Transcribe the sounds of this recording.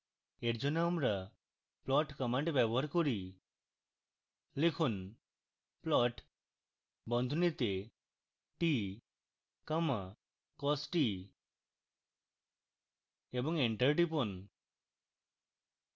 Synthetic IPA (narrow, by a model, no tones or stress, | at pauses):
eʈd͡ʒɔnamɾa | plɔʈkəmaɳʈbjɛbɔɦaɾkɔɾi | lekʰun | plɔʈ | bɔnd̪ʱunit̪e | ʈi | kəma | kɔsʈi | ebɔŋeɳʈəɾʈipɔn